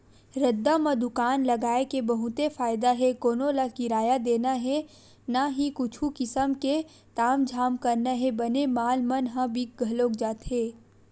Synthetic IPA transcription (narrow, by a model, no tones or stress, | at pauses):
ɾɐd̪ːamɐ̃d̪ʊkaːnlɐɡaːekebɐɦʊt̪efaːɪd̪aɦɛkoːnolakɪɾaːjad̪eːnaɦɛ | naɦikʊt͡ʃʰukɪsəmke | t̪aːmd͡ʒʱaːmkɐɾnaɦɛbɐnemaːlmɐnɦãbik̚ɡʱɐloːkd͡ʒaːt̪ɦɛː